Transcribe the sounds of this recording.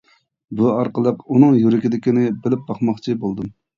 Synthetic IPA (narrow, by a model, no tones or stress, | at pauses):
buɑɾqəlˠəqunɨŋjyɾɪkʲid̪ɪkʲinɪbɪlɪp̚bɑχmɑχt͡ʃʰibolˠd̪ɨm